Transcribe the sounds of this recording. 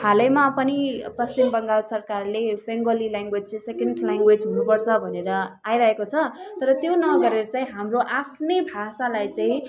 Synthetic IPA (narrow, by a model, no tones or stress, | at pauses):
hʰalʌjmapʌnipʌst͡simbʌŋɡalsʌrkarlebeŋɡolilaŋɡwed͡zt͡sẽsekeɳɖlaŋɡwed͡zɦunupʌrt͡sʰʌbʱʌneɾʌajɾʌɦekot͡sʰʌt̪ʌɾʌt̪jonʌɡʌɾeɾʌt͡sãĩɦamroʔapʰnebʱasalajt͡sãĩ